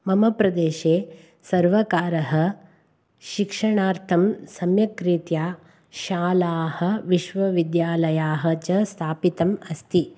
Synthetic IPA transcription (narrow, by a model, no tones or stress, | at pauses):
mɐmɐpɾɐd̪eːʃeː | sɐɾʋɐkaːɾɐɦɐ̆ | ʃikʂɐɳaːɾt̪ʰɐmsɐmjɐkɾit̪jaː | ʃaːlaːhɐ̆ʋiʃʋɐʋid̪jaːlɐjaːɦɐ̆t͡ʃɐst̪ʰaːpit̪ɐmɐst̪ʰi